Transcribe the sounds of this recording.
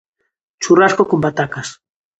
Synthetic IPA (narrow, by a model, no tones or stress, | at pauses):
t͡ʃuraskokombat̪akas